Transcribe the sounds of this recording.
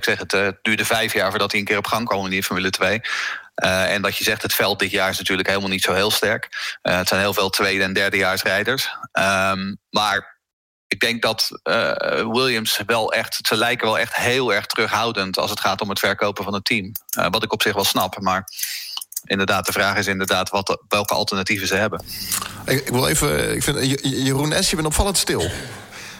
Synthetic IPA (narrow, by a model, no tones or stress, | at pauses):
ɪksɛχətd̥yːɹdəvɛjfjaːɹvʊːɹdɑtiənkɪːrɔpχɑŋkɔmɪndifɔɹmylətʋejəɛnʋɑtjəzɛχtɦətfɛlˠt̚dɪtjaːɹɪsnatyːɹləkɦejlˠəmalˠnitsowɦɪːlˠstɛɹkəətsɛjnɦɪːlˠveːlˠtʋejdəɛndɛɹdəjaːɹsrɛjdəɹsəmmaːɹ | ɪɡ̚dɛŋk̚dɑtː | wɪlˠjəmsʋɛlˠɛχtsəlɛjkəʋɛlˠɛχtɦeːlˠɛɹχtərɵχɦawdəntɑ̰sətχaːtɔmətfɛɹkowpəvɑnətʰːimʋɑtɪkɔpsɪχʋɛlˠsnɑpmaːɹ | ʔɪ̰ndəɹdaːt̚d̥əvraːχɪs̬ɪndəɹdaːtʋɑtʋɛlˠkəɑ̰lˠtəɹnativəzəɦɛbənɪɪkʋɪlˠḛjvəɪkfɪnjərunɛsjəbɛnɔpfɑləntstɪlˠ